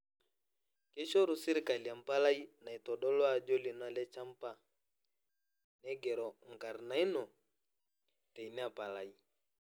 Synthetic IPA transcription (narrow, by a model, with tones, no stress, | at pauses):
kɛ˦ʃɔ˦ɾu˨si˦ɾi˨ka˨li˨a˨m̩˨pa˦la˦i˦na˨i˨tɔ˨ɗɔ˦lɔ˦a˨d͡ʒɔ˦li˨nwa˨lɛ˦t͡ʃa˦m̩˦pa˦ | nɛ˦ɡɛ˨ɾɔ˨ŋ̩˨ka˨ɾna˨˦i˦nɔ˨ | tɛ˨i˨nɛ˦a˦˨pa˨la˨i˦